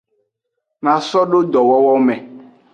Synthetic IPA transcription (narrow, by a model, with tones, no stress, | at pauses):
nã˨sɔ˦ɖo˦d̪ɔ˨wɔ˦wɔ˦mɛ̃˨